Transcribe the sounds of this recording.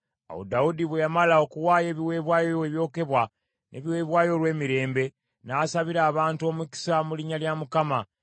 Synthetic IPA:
a̰wo̰daudiβwejamalao̞kuwaːje̞ːβiwe̞ːβwaːjoeβjo̞ːke̞βwa | nʔe̞̰βiwe̞ːβwaːjo̞lwe̞ːmiɾe̞ːmbe̞ | naːsaβiɾaːβaːntuo̞ːmuki̥samuliɲaljamukama

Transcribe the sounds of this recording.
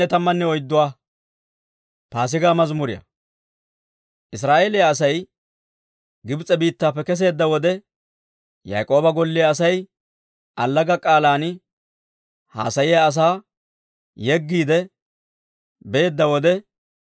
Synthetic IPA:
ɛt̪ɐmːɐnːɛɔjd̪ːʊwaː | paːs̬ɪɡaːmɐzmʊɾɪjɐ̰ | ʔɪsɾaːʔeːlɪjɐːsɐj | ɡɪbɪt͡sʼɛbiːt̪ːaːpːɛkɛs̬e̞ːd̪ːɐwɔd̪ɛ | ja̰jkʼo̞ːbɐɡɔlːɪjaːsɐj | ʔɐlːɐɡɐkʼaːlaːn | ha̰ːsɐjɪjɐːs̬aː | jɛɡːiːd̪ɛ | beːd̪ːɐwɔd̪ɛ

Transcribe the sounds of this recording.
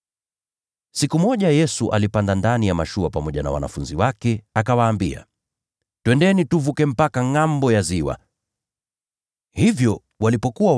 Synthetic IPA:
sikumɔʄajɛsuʔalipandandanijamaʃuapamɔʄana̰wa̰na̰funziwakɛakawaːmbia̰ | twɛndɛnituvukɛm̩pakaŋambɔjaziwa̰ | hivjɔ | walipɔkua

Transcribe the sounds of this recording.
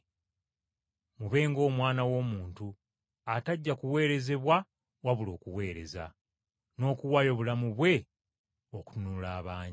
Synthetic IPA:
muβe̞ːŋɡo̞ːmwaːnawo̞ːmuːntu | ataɟːakuwe̞ːɾe̞ze̞βwa | waβulo̞ːkuwe̞ːɾe̞̰za̰ | no̞ːkuwajo̞βulamuβwe̞ | oku̥unuulaːβaːɲi

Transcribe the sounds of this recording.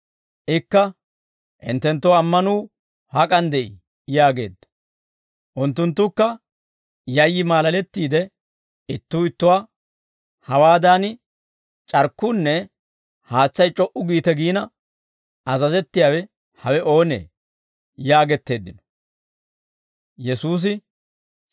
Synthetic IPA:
ʔɪkːɐ | ʔɪ̰nt̪ːɛnt̪ːoɐmːɐnuː | hɐkʼɐnd̪ɛj | jaːɡe̞̰ːd̪ːɐ̥ | ʔʊnt̪ːʊnt̪̬ːʊkːɐ | jɐjːɪmaːlɐlɛt̪ːiːd̪ɛ | ɪt̪ːuːɪt̪ːʊwaː | hɐwaːd̪aːnɪ | t͡ʃʼɐɾkːuːnːɛ | haːt͡sːɐjt͡ʃʼɔʔʊɡiːt̪ɛɡiːnɐ | ɐzɐzɛt̪ːɪjaːwɛ | hɐwɛʔo̞ːnḛː | jaːɡɛt̪ːe̞ːd̪ːɪnɔ̥ | jɛsuːs̬ɪ

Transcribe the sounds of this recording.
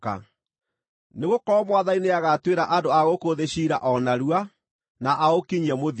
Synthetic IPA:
a̰ | neɣokɔɾɔmwaðaineaɣatweɾaʔandoaɣokoðeɕiɾaʔɔnaɾua | naʔaokiɲiɛmoð

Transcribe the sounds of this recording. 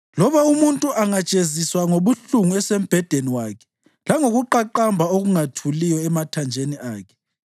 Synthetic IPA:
lɔβaumuntʼuʔaŋat͡ʃʼeziswaŋoβuɬuŋuɛsem̩b̥ʱɛd̥ʱeniwaːkʰɛ̥ | laŋoɣuǃaǃambʱaoɣuŋatʰulijɔɛmatʰand͡ʒʱenia̰ːkʰɛ̥

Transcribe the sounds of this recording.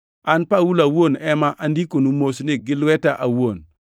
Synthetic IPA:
anpawulawuonemaʔandikonumosineɡilwetaʔawuon

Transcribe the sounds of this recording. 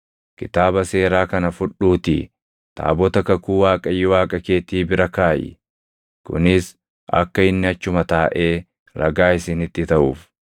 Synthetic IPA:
kɪt̪aːbɐse̞ːɾaːkɐnɐfʊᶑuːt̪ḭ | t̪a̰ːbɔt̪ɐkɐkuːwaːkʼɐjːɪwaːkʼɐke̞ːt̪iːbɪɾɐkaːjɪ̰ | kʊ̰nɪs | ɐ̰kːɐɪnːɪɐt͡ʃːʊmɐt̪aːʔe̞ː | ɾɐ̰ɡaːɪsɪnɪt̪ːɪt̪ɐʔuːf

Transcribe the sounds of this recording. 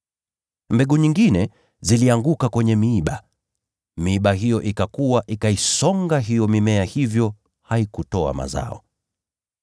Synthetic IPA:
mbɛɠuɲiŋɡinɛ | ziliaŋɡukakwɛɲɛmiːɓa | miːɓaɦijɔʔikakuwaʔikaisɔŋɡaɦijɔmimɛahivjɔ | haikutɔa̰ma̰za̰ɔ

